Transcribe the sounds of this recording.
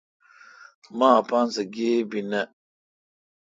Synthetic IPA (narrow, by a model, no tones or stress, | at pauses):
maːpansəɡebinə